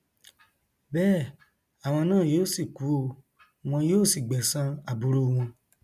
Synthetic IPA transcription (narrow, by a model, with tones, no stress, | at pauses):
bɛː˦˨ | a˨w̃ɔ̃˧nãː˦˨joː˦˨si˦˨ku˨˦o˧ | w̃ɔ̃˧joː˦˨si˦˨ɡ͡bɛ˨sã˦a˨bu˧ɾo˦˧w̃ɔ̃˧